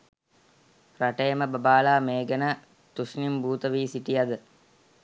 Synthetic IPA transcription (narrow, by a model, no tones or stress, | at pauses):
raʈejəməbəbaːlaːmeːɡənə | t̪usnimbuːt̪əʋiːsiʈijad̪ə